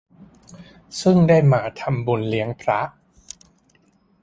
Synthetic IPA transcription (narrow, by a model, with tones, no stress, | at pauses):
sɯ˥˩ŋdaː˥˩jmaː˧t̪ʰa˧mbu˧nli˦˥əŋpʰɾa˦˥ʔ